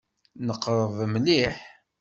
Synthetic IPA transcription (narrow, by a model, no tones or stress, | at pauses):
nəqːɾˤəðˤmliħ